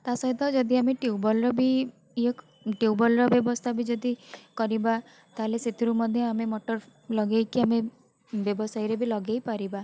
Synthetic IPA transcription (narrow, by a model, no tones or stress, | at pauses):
t̪asɔɦit̪ɔd͡ʒɔd̪ʱiameʈiubɔlɾɔbi | ek | ʈiwbɔlɾɔbjɔbɔst̪ʰabid͡ʒɔd̪ikɔɾiba | t̪aɦleset̪ʰiɾumɔd̪ʱjɔamemɔʈɔɾ | lɔɡejkiame | bjɔbɔsajɾebilɔɡejpaɾiba